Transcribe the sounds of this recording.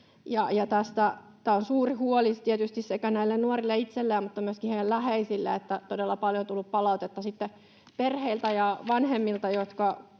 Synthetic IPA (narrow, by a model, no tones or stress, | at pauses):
jɑjɑt̪æst̪æt̪æːonsuːrihuolit̪iet̪yst̪issekænæilːennuorilːeit̪selːeːmmut̪ːɑmyøskiheielæheisilːḛet̪ːæt̪odelːɑpɑljot̪ulːuppɑlɑut̪et̪ːɑsit̪ːe | perheilt̪æjɑʋɑnhemːilt̪ɑjot̪kɑ